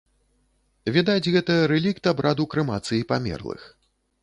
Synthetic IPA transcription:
vʲid̪ad͡zʲɣɛt̪ɐɐɾɛlʲikt̪abɾad̪ukɾɨmat̪sɨjipamʲɛ̰rlˠɨ̰x

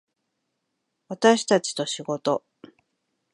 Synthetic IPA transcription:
βat̪aɕi̥t̪at͡ɕi̥t̪o̞ɕiɡo̞t̪o̞

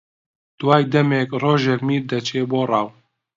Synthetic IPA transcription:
d̪̥wɑːjd̪ɛmeːkroːʒɛkmiːɾd̪ɐt͡ʃʰeːboːrɑːw

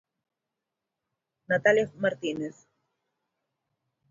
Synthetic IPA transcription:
nat̪alemaɾt̪ineθ

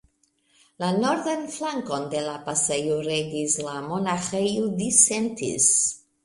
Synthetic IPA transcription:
lano̞ɾdanflaŋko̞nde̞lapasejuɾeɡislamonaxejudisentḭs

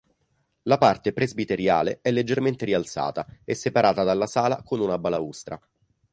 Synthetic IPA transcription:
lapart̪epɾezbit̪eɾja̰ːleɛlːed͡ʒːerment̪eɾialt̪sa̰ːt̪aɛsːepaɾaːt̪ad̪alːasaːla̰konunabalaust̪ɾa̰

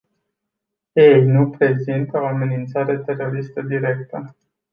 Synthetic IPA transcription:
ejnupɾe̞zint̪o̞ame̞nint̪saɾe̞t̪e̞ro̞ɾist̪əd̪iɾe̞k̚t̪ə

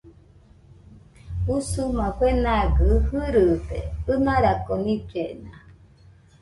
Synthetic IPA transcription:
busumãkʷenaɡɨhɨɾɯd̪ḛɯnaɾakonĩd͡ʒena

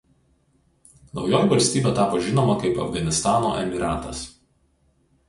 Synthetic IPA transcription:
nɒʊjoːjʋɐlʲsʲt̪ʲiːbʲeːt̪ɑːpoːʒʲɪnoːmɐkɐɪpɐ̰fɡɐnʲɪst̪ɑːno̰ːʔɛmʲɪɾɑːt̪ɐ̰s

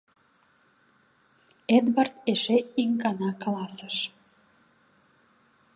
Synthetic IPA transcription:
ed̪βɑrt̪eʃeiŋkɑnɑklɑsəʃ

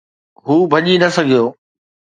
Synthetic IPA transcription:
ɦuːbʱɐʄinɐsɐɡʱijoː

